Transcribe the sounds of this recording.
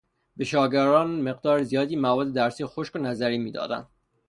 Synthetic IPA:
beʃɒːɡæɾɒːnme̞ɢd̪ɒːɾezijɒːd̪iːmævɒːd̪ːed̪æɾsiːjxoʃkonæzæɾiːmiːd̪ɒ̰ːd̪æ̰nd̪̥

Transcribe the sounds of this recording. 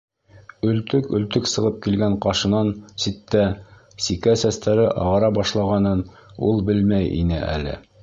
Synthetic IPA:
ɵ̆lt̪ɵkɵ̆lt̪ɵksɤ̆ʁɤp̚kilɡæɴqɑʃɤ̆nɑnsit̪ːæ | sikæsæst̪æɾɘʔɑ̰ʁɑɾɑbɑʃlˠɑʁɑnɤn | ulˠbɘlmæjḭnɘ̰ʔæ̰lɘ̰

